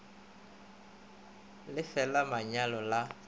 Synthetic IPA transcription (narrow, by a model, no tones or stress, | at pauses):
lɪfɛlamaɲalɔla